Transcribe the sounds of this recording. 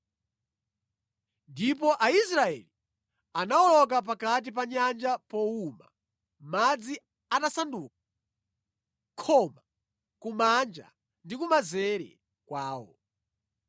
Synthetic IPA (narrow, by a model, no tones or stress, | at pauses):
ndipɔʔaisɾaɛ̰li | anawɔlɔk̬ap̬akat̬ipaɲand͡ʒapɔuma̰ | mad͡zi | atasanduːk̚a | kʰɔma | kumand͡ʒa̰ | ndikumazɛɾɛ̰ | kwaːwɔ̰